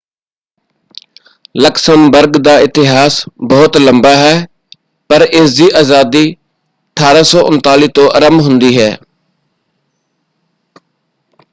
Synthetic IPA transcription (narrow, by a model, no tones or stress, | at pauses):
ləksəmbəɾɡd̪aːɪt̪ɪɦaːsbəɦʊt̪ləmbaːɦɛː | pəɾɪsd̪iːʔaːzaːd̪iː | əʈʰaːɾaːsɔːʔʊnt̪aːliːt̪õːʔəɾəmɦʊ̃nd̪iːɦɛː